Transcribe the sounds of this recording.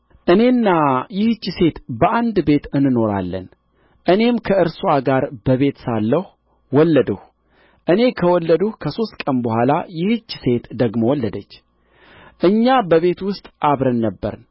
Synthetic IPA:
ʔɨne̞nːajɪht͡ʃːse̞t̪bəʔand̪be̞t̪ɨnːɨno̞ɾa̰lːə̰n | ʔɨne̞mkʰəɨɾsuaɡaɾbəβe̞t̪salːəhu | wɔlːəd̪əh | ʔɨne̞kʰəwɔlːəd̪uhkʰəso̞st̪kʼənbəhʷala̰jɪhɨt͡ʃːse̞t̪d̪əɡmo̞wɔlːəd̪ət͡ʃː | ʔɨɲːabəβe̞t̪wʊst̪ʼʔaβɾənːəbːə̰ɾn

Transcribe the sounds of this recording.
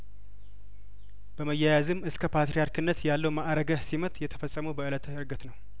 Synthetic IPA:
b̥əməjːɛjazɨmːɨskʰəpʰat̪ɾijaɾkʰɨnːət̪jalːəwmaʔɾəɡəsimət̪ʼjɛt̪ʰə̥fəsʼːəməwbəʔɨlət̪ɨɾɡət̪nəw

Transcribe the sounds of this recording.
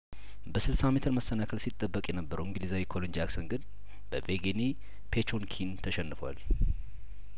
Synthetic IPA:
bəsɨlsamːit̪ʰɨnməsːənakʰəlsit̪ʼːəbːəkʼjɛnəbːəɾəwɪŋɡɨlizawikʰo̞lond͡ʒaksənɡɨn | bəveɡeni | pʰet͡ʃonkʰint̪ʰəʃɛnːɨfwa̰l

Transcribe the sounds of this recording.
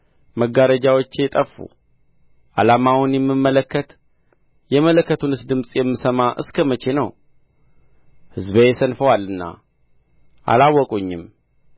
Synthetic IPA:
məɡaɾəd͡ʒawot͡ʃːet̪ʼəfːṵ | ʔa̰lamawʊnjɛmːɨmːələkːət̪ | jɛmələkːət̪ʰunɨsd̪ɨmsʼjɛmːɨsəmaʔɨ̰skʰəmət͡ʃʰe̞nəw | hɨzbəjɛsənfəwalːɨnːa̰ | ʔa̰lawːɔkʼuɲːɪm

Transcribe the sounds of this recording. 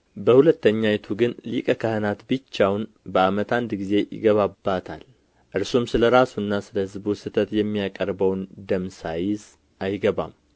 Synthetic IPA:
bəhulət̪ːəɲːajɛt̪ʰuɡɨnlikʼəkʰəhənat̪bɨt͡ʃːawn | bəamət̪and̪ɡize̞jɪ̰ɡəβabːat̪ʰa̰l | ʔɨɾsomsɨləɾasuɨnːasɨləhɨzbsɨt̪ʰət̪jɛmːijakʼəɾbəwnd̪əmsajɪz | ʔajɡəβa̰m

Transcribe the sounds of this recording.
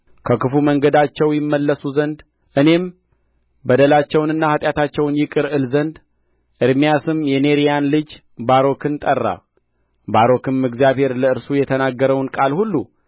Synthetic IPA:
kʰəkɨfuməŋɡəd̪at͡ʃːɛwjɪmːəlːəsuzənd̪ | ʔɨne̞m | bəd̪əlat͡ʃːɛwnɨnːahat̪ʼjat̪ʰat͡ʃːɛwnjɪkʼɨɾɨlzənd̪ | ʔɨɾmijasɨmjɛne̞ɾijanlɨd͡ʒ | baɾo̞kʰɨnt̪ʼərːa̰ | baɾo̞kɨnmɨɡzijaβhe̞ɾləɨɾsujɛt̪ʰənaɡːəɾəwnkʼalhulːu

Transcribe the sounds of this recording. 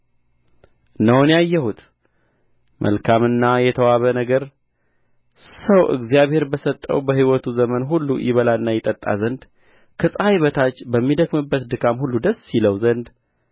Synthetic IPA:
nəwonjajːɛhut̪ | mʔə̰lkʰamɨnːajɛt̪ʰəwaβənəɡəɾ | səwʔɨ̰ɡzijaβhe̞ɾbəsət̪ʼːə̰wbəhiwɔt̪ʰuzəmənɦulːujɪβəlaɨnːajɪt̪ʼət̪ʼːa̰zənd̪ | kʰəsʼajβət̪ʰat͡ʃːbəmːid̪əkmɨbːət̪d̪ɨkʰamhulːud̪əsiləwzənd̪

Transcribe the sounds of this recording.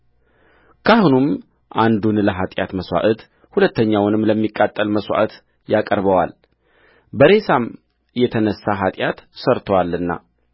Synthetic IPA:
kʰahunum | ʔand̪unləɦat̪ʼjat̪məswa̰ʔɨt̪ | hulət̪ʰːəɲːawnɨmləmːikʼːat̪ʼːəlməswa̰ʔɨt̪ | jakʼəɾbəwal | bəɾe̞sam | jɛt̪ʰənəsːaɦat̪ʼjat̪səɾt̪ʰəwalːɨnːa̰

